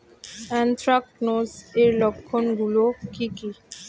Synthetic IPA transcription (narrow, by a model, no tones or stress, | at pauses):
ɛnt̪ʰɾak̚ʈnozeɾlɔkʰːonɡulokiki